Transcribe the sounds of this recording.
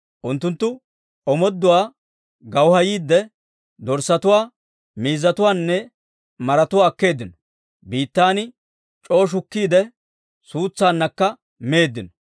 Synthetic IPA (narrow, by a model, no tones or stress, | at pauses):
ʔʊnt̪ːʊnt̪ːʊ | ɔmɔd̪ːʊwaː | ɡɐwhɐjiːd̪ːɛ | d̪ɔɾsɐt̪ʊwaː | miːzːɐt̪ʊwaːnːɛ | mɐɾɐt̪ʊwaːɐkːe̞ːd̪ːɪnɔ̥ | biːt̪ːaːnɪ | t͡ʃʼo̞ːʃ̬ʊkːiːd̪ɛ | suːt͡sːaːnːɐkːɐ | meːd̪ːɪnɔ